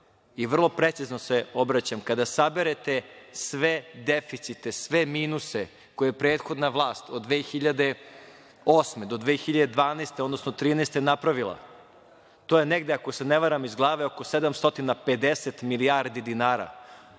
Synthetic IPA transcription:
iʋr̩lˠo̞pɾet̪siznoseobɾat͡ɕamkad̪asabeɾet̪esʋed̪efit̪sit̪esʋemiːnuse | kojeepɾeːt̪xo̞d̪naʋlˠaːst̪od̪d̪ʋeːxiʎad̪e̞ | oːsmed̪o̞d̪ʋeːxiʎad̪ed̪ʋaːnest̪eo̞d̪no̞sno̞t̪ɾiːnest̪enapɾaʋilˠa̰ | t̪oːjeneɡd̪eako̞seneʋaɾamizɡlˠaːʋeoko̞sed̪amst̪o̞t̪inaped̪eset̪miliaɾd̪id̪inaːɾa̰

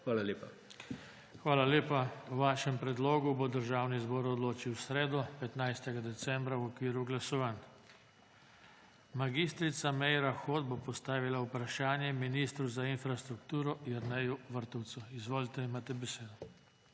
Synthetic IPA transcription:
ʋaːlalʲeːpa | xʋaːlaleːpawʋaːʃɛmpɾɛd̪loːɡubod̪əɾʒaːwnizbɔːɾɔd̪loːt͡ʃiwsɾeːd̪ɔpɛt̪najst̪ɛɡad̪ɛsɛmbɾawɔkʋiːɾuɡlasɔʋan | maɡist̪ɾit̪samɛjɾaxoːd̪̚bopɔst̪aːʋilaupɾaʃaːnjɛminiːst̪ɾuzainfɾast̪ɾukt̪uːɾɔjəɾnɛjuʋəɾt̪ɔwt̪suizʋoːlit̪ɛimaːt̪ɛbɛseːd̪ɔ

